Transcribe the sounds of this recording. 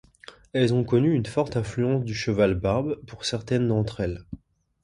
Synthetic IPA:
ɛlzɔ̃kɔnyːnfɔʁt̪ɛ̃flyɑ̃sd̪yʃəvalbaʁbpuʁsɛʁt̪ɛnd̪ɑ̃t̪χɛl

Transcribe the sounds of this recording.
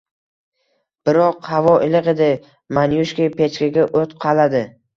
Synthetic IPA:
b̥ɪɾɒqhavɒʔɪlɪqe̞d̪ɪ | manjuʃkʲijpʰe̞t͡ʃkʲaɡʲaʔot̪qʰɑlad̪ɪ

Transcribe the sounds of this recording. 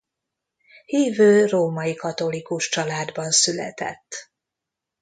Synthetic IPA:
hiːvøːroːmɒjikɒt̪o̞likuʃt͡ʃɒlaːd̪bɒnsylɛ̰t̪ɛ̰t̪ː

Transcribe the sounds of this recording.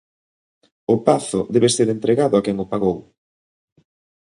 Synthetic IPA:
ʊpaθʊðɛβeseɾent̪ɾeɣaðʊakɛŋʊpaɣow

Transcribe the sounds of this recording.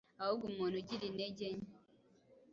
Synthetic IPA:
auɡumonud͡ʒidined͡ʒeɲ

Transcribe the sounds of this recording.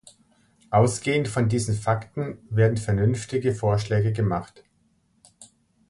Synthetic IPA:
ʔaʊsɡ̥eːəntfɔndiːzn̩faktn̩veːɐdn̩fɛɐnʏnftɪɡəfoːɐʃlɛːɡəɡəmaχt

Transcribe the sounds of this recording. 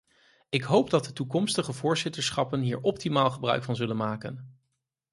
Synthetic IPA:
ɪkɦowpdɑt̚dətukɔmstəχəvʊːɹzɪtəɹsχɑpənɦiːɹɔp̚timaːlˠχəbrœ̰ɥkfɑnzɵlənmaːkə̰n

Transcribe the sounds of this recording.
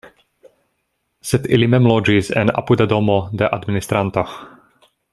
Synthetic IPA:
sɛt̪ilimɛmlod͡ʒizɛ̰na̰pud̪ad̪omod̪ɛʔad̪minist̪ɾant̪ox

